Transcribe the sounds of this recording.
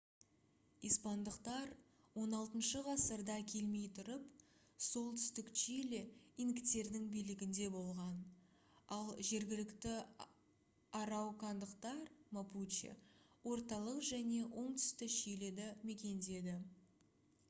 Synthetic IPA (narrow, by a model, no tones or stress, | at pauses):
ispɑnd̪əqt̪ɑɾ | wo̞nɑlˠt̪ənʃəʁɑsəɾd̪ɑkʲʰe̞lme̞jt̪ʰʊɾəp | so̞lˠt̪ʰʏ̥st̪ɪkʃijleiŋkt̪e̞ɾd̪ɪŋbijlɪɡʲɪnd̪e̞bo̞lˠʁɑn | ɑlˠʒe̞ɾɡʲɪlɪkt̪ɪ | ɑɾɑwkʰɑnd̪əqt̪ɑɾmaput͡ʃḛ | wo̞ɾt̪ɑlˠəqʒæne̞wʔo̞ɴt̪ʰʏ̥st̪ɪʃijle̞d̪ɪme̞kʲe̞nd̪e̞d̪ɪ